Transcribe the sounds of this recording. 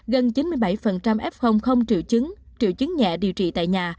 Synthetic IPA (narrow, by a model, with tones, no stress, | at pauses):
ɣə˨˩nt͡ɕi˨˦nmɨ˧əjɓa˧˩jfə˨˩nt͡ɕa˧mʔɛ˦˥p̚xə˧wŋ͡mxə˧wŋ͡mt͡ɕḭ˧˨wt͡ɕɨ˨˦ŋt͡ɕḭ˧˨əwt͡ɕɨ˨˦ŋɲɛ̰˧˨ɗi˨˩əwt͡ɕḭ˧˨t̪a̰ː˧˨jɲaː˨˩